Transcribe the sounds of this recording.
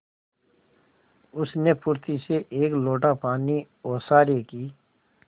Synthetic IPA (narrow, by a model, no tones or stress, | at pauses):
ʊsnepʊɾt̪iseʔeːkloːʈapaːni | ɔːɾsaːɾekiː